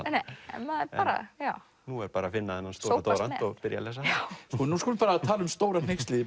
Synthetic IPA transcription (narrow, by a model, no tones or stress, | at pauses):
nejɛ̰nmaðɛpaːɾa̰jaw | nuɛɾpaːɾafɪnːaɛnanst̪owot̪oːɾanɔɣpɪɾja̰lɛs̬askɔnuskɔlʏmfaːɾat̪ʰaːlʏmst̪oːwɾan̥ejkst̪liːðɪ